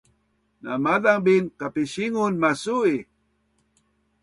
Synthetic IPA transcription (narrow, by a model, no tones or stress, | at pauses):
namadaŋbinkapiɕiŋunmasui